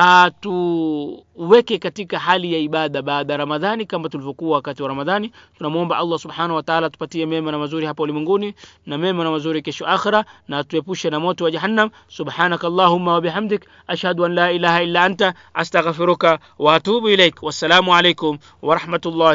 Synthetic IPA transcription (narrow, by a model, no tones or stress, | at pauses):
hatu | wɛkɛkatikaɦalijaiɓaðaɓaːðaɾamaðanikamatulivɔkuwawakatiwaɾamaðanitunamuɔmbaʔalˤːɑsubħaːnahuwataʕalatu̥patiɛmɛmanamazuɾihapaulimwɛŋɡuninamɛmanamazuɾikɛʃɔʔaxiɾanatuɛpuʃɛnamɔtɔwad͡ʒaɦanːam | subħaːnakalˤːaːɦumːawabiħamd̪ɪk | ʔaʃhaduʔanlaːʔilahailːaʔanta | ʔastaɣfiɾuka | waːtuːbilejkwasːalaːmualejkʊm | wɑɾˤɑħmatulˤːaː